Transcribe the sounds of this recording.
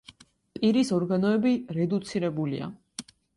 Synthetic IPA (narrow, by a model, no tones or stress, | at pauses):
pʼiɾisɔɾɡanɔɛbiɾɛd̪ut̪sʰiɾɛbulḭa̰